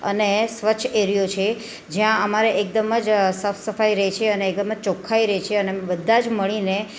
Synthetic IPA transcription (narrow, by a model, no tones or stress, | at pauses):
ə̰nesʋət͡ʃʰeɾijot͡ʃʰe | d͡ʒjãəmaɾeʔek̚d̪əməd͡ʒsəfsəfaiɾəɦet͡ʃʰeəneːkd̪əməd͡ʒt͡ʃokʰːaiɾəɦet͡ʃʰeənebəd̪ʱːãd͡ʒməɭine